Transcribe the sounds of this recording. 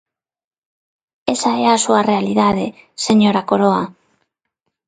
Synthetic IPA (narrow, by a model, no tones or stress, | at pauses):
esaeɾasuarealiðað̞e | seɲoɾakoɾoa